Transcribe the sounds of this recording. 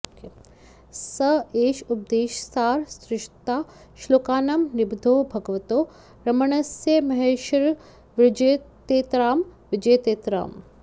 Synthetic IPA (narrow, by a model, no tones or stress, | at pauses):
sɐeːʃup̚d̪eːʃsaːɾsɾɪʃt̪aː | ʃloːkaːnɐmnɪbd̪ʱoːbʱɐɡʋɐt̪oː | ɾɐmɐɳɐsjemɐɦeːʃɐɾ | ʋɪd͡ʒet̪eːt̪ɾaːmʋɪd͡ʒeːt̪eːt̪ɾa̰ːm